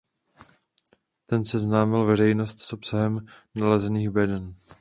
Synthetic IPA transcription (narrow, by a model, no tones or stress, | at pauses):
t̪ɛnsɛznaːmɪlvɛr̝ɛjnost̪sʔo̞psaɦɛmnalɛzɛniːxbɛdɛn